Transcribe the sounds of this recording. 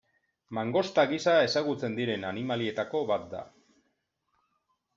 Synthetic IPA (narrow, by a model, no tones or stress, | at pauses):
maŋɡo̞st̪aɣisae̞saɣut͡se̞nd̪iɾe̞nanimalie̞t̪ako̞βat̪̚d̪a̰